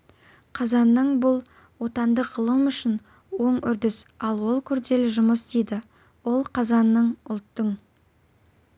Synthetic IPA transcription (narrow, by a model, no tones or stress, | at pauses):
qʰɑzɑnːəɴbʊlˠ | wo̞t̪ɑnd̪əʁəlˠəmʏʃɪn | wo̞ɴʏɾd̪ɪsɑlˠwo̞lˠkʲʰʏɾd̪e̞lɪʒʊməsd̪ejd̪ɪ | wo̞lˠqʰɑzɑnːəɴʊlˠt̪ːəɴ